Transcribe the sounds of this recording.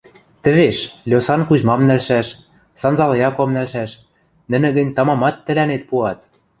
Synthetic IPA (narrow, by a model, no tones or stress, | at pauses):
t̪ɘ̆βeʃlʲosɑnkuʑmɑmnælʃæʃ | sɑnzɑljɑkomnælʃæʃ | nɘ̆nɘ̆ɣɘ̆nʲt̪ɑmɑmɑt̪ːɘ̆lænet̪̚puɑt̪̚